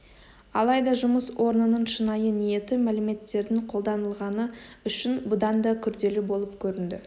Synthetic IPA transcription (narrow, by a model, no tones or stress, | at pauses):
ɑ̰lˠɑjd̪ɑʒʊməswo̞ɾnənəɴʃənɑjənije̞t̪ɪmælɪme̞t̪ːe̞ɾd̪ɪŋqʰo̞lˠd̪ɑnəlˠʁɑnəʏʃɪnbʊd̪ɑnd̪ɑkʲʰʏɾd̪e̞lɪbo̞lˠəpkʲʰɵɾɪnd̪ɪ